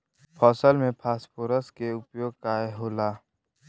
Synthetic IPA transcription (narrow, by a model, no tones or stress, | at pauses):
pʰɔːsəlmẽpʰaːspuɾəskeʊpjoːɡ̚kaːeɦoːlaː